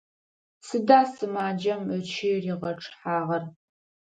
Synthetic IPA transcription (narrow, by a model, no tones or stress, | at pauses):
sɨdaːsɨmaːd͡ʒɐmət͡ʃʰɪriːʁɐʈ͡ʂʰʼħaːʁɐr